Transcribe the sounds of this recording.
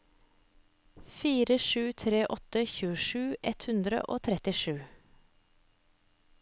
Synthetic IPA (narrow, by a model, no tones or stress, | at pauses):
fiːɾəʂʉːt̪ʰɾeːʔɔt̪əçʉːəʃʉːʔɛt̪hʉnd̪ɾə̰ʔo̰ːt̪ʰɾɛt̪ɪʃʉː